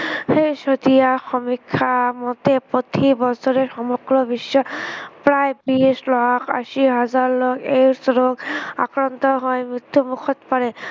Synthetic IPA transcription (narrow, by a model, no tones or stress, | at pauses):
xejsotijaxɔmikʰːamɔt̪ɛpɹot̪ʰibɔsɔɹɛxɔmɔɡɹɔbisːɔpɹajbislɔɦaka̰siɦazaɹlokejsɔɾoka̰kɹɔnt̪ɔɦɔjmɹit̪ːumukʰɔtpaɹɛ